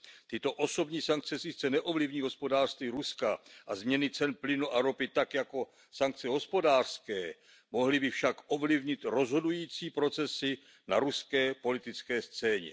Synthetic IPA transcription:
t̪ɪt̪o̞ʔo̞so̞bɲiːsaŋk̚t͡sɛsɪt͡sɛnɛʔo̞vlivɲiːɦo̞spo̞daːr̥st̪viːɾuskaʔazmɲɛnɪt͡sɛnplɪnuʔaɾo̞pɪt̪akjako̞ | saŋk̚t͡sɛɦo̞spo̞daːr̥skɛː | mo̞ɦlɪbɪfʃakʔo̞vlɪvɲɪt̪ɾo̞zɦo̞dujiːt͡siːpɾo̞t͡sɛsɪ | naɾuskɛːpo̞lɪt̪ɪt͡skɛːst͡sɛːɲɛ̰

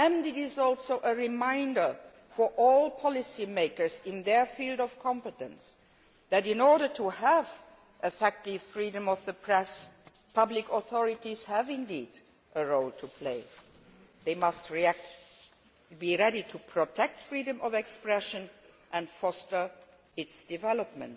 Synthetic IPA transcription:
ɨ̃ndɪɾɪzɔlˠsoʊʔəɹɪmãɪ̃ndə˞ | fɔ˞ʔɔlˠpʰɑlɨsimeɪkə˞zɪ̃nðə˞filˠdɔv̥kʰɑ̃mpɨtə̰̃ns | ðæɾɪ̃nɔɹɾə˞tʰuəv | ʔɨfɛk̚tɪv̥fɹiɾə̃mɔvðəpʰɹɛs | pʰʌblɪkɔθɔɹɪtiz̥hævɪ̃ndid | ʔəɹoʊlˠtʰupʰl̥eɪ | ðeɪmʌstɹiæk̚t | biɹɛɾitʰupʰɹ̥otʰɛk̚tfɹiɾɨ̃mʔɔvɛkspɹɛʃɨ̃n | ʔɨ̃ndfɔstə˞ | ɪtsd̥ɨvɛləp̚mə̰̃nt

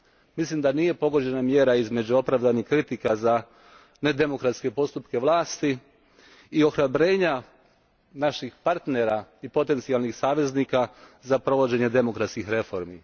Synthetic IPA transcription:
mislimd̪anije̞po̞ɡo̞d͡ʑe̞namje̞ːɾaizme̞d͡ʑuo̞pɾaʋd̪anixkɾit̪ikaza | ne̞d̪e̞mo̞kɾat̪ske̞po̞st̪upke̞ʋlˠaːst̪iː | o̞xɾabɾe̞ːɲa | naʃixpaɾt̪ne̞ɾaipo̞t̪e̞nt̪sialˠnixsaːʋe̞znikazapɾo̞ʋo̞d͡ʑe̞ɲe̞d̪e̞mo̞kɾat̪skixɾe̞fo̞ɾmi

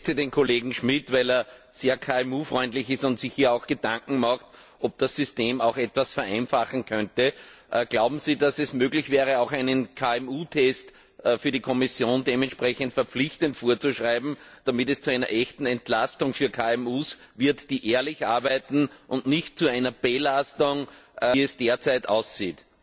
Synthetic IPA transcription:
sideːnkʰoleːɡŋ̩ʃmɪtvæɪleːɐ | z̥eːɐkʰaːɛmuːfʁɔʏntlɪçɪstʊ̃ntsɪçhiːɐɑʊxɡ̥ədãŋkŋ̩maxt̚ | ʔɔb̚d̥asːʏsteːmɑʊxɛtv̥asfɛɐʔæɪnfaχŋ̩kʰœntəʔəɡ̥laʊbm̩ziːdasɛsmøːɡlɪçv̥ɛːʁ̞əɑʊxæɪnənkʰaɛmuːtʰɛstː | fyːɐɾikʰɔmɪsjoːndeːmɛntʃpʁɛçəntfɛɐp͡flɪçtəntfoːɐt͡suʃʁaɪbm̩d̥amɪtɛst͡suæɪnɐ̰ʔɛçtn̩ɛntlastʊŋfyːɐkʰaːɛmuːsvɪɐtd̥iːʔeːɐlɪçʔaɐbæɪtn̩ʔʊ̃ntnɪçt̚t͡suæɪnɐb̥elastʊŋʔɛsd̥eːɐt͡sæɪta̰ʊsz̥iːt

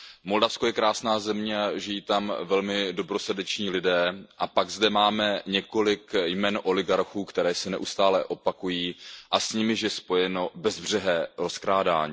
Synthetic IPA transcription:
mo̞ldafskojɛkɾaːsnaːzɛmɲɛaʒɪjiːt̪amvɛlmɪdo̞bɾo̞srdɛt͡ʃɲiːlɪdɛːʔapaɡzdɛmaːmɛɲɛko̞lɪkjmɛːnʔo̞lɪɡaɾxuːkt̪ɛɾɛːsɛnɛʔust̪aːlɛʔo̞pakujiːʔasɲɪmɪʃjɛspo̞jɛno̞bɛzbr̝ɛɦɛːɾo̞skɾaːda̰ːɲiː

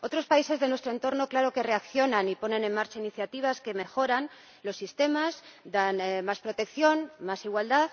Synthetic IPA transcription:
o̞t̪ɾo̞spaise̞zðe̞nwe̞st̪ɾoe̞nt̪o̞ɾno̞klaɾo̞ke̞re̞akθjo̞nanipo̞nẽ̞ne̞nmaɾt͡ʃainiθjat̪iβ̞aske̞me̞xo̞ɾan | lo̞sːist̪e̞mazd̪anmaspɾot̪e̞kθjo̞nmasiɣwald̪aθ

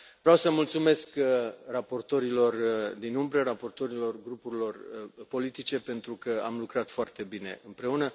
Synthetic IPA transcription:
vɾeawsəmult̪sume̞skrapo̞rt̪o̞ɾilo̞rd̪inumbɾərapo̞rt̪o̞ɾilo̞rɡɾupuɾilo̞rpo̞lit̪it͡ʃe̞pe̞nt̪ɾukəa̰mlukɾat̪foart̪e̞bine̞̰ʔɨmpɾe̞unə

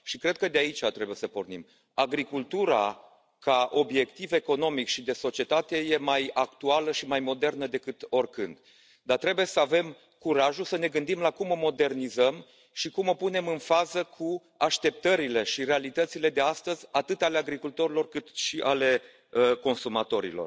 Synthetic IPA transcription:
ʃikɾe̞d̪̚kəd̪eait͡ʃat̪ɾe̞bujesəpo̞rnḭm | aɡɾikult̪uɾa̰ | kaʔo̞bje̞kt̪ive̞ko̞no̞mikʃid̪e̞so̞t͡ʃie̞t̪at̪e̞je̞majakt̪ualəʃimajmo̞d̪e̞rnəd̪e̞kɨt̪o̞rʲkɨnd̪ | d̪at̪ɾe̞bujesəave̞m | kuɾaʒusəne̞ɡɨn̪d̪imlakumo̞mo̞d̪e̞rnizəm | ʃikumo̞pune̞mɨnfazəkʰu | aʃt̪e̞p̚t̪əɾile̞ʃiɾe̞alit̪ət̪sile̞d̪e̞ast̪əzʲat̪ɨt̪ale̞aɡɾikult̪o̞ɾilo̞rkɨt̪ʃiʔale̞ | əko̞nsumat̪o̞ɾḭlor

